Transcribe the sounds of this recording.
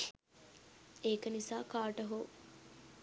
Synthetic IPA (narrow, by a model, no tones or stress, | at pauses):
eːkənisaːkaːʈəɦoː